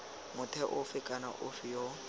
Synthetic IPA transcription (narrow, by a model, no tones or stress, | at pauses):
mʊtʰɛʔʊfɪkʼana̰ʔʊfɪjo